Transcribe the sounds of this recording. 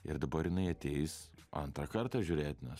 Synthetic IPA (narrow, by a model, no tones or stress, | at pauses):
ɪ̰ɾd̪ɐbɐɾjɪnɐɪɐt̪ʲeːɪsɐ̰nt̪ɾɐkɐɾt̪ɑːʒʲʊːɾʲeːt̪ʲnʲɛs